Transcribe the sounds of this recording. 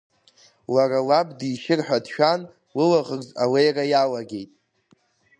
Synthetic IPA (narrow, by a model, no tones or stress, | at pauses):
waralabdiʃɪrħʷᶣadʃᶣan | lɨlaʁərzawejrajalaɡʲe̞jtʼ